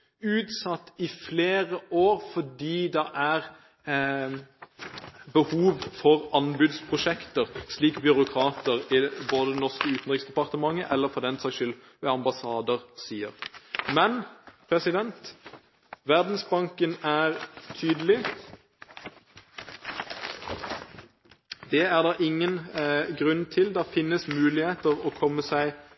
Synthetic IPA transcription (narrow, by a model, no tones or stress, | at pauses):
ʉːt̪sɑt̪ːɪfleːʁəʔoːʁfɔɖiːd̪ɛʔæʁ | bəhuːʋfɔʁɑnbʉːd̪spʰʁʊʃɛkt̪əʁsliːkbʏɾʊkʰɾɑːt̪əʁɪboːd̪əd̪ɛnɔʁskəʉːt̪n̩ʁɪksd̪ɛpɑʁt̪əmɑŋːəʔɛlːəɾfɔd̪ɛnsɛɪʃʏl | ʋɛɑmbɑsɑːd̪əʁsiːəʁmɛnpʰʁɛsɪd̪ɛnt̪ | ʋæʁd̪n̩sbɑŋkənæːʁt̪ʰyːd̪əlɪ | d̪ɛæʁd̪ɑːʔɪŋːənɡʁʉnt̪ʰɪld̪ɑːfɪnːəsmʉːlɪheːt̪əʁɔːkʰɔmːəsæɪ